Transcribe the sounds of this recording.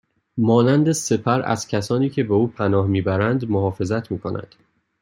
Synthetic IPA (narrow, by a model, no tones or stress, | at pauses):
mɒːnænd̪e̞se̞pʰæɾæ̰z̥cʰæsɒːniːcʰe̞beuːpʰænɒːhmiːbæɾænd̪mohɒːfe̞zæt̪ʰmiːkʰo̞nʔæ̰nd̪̥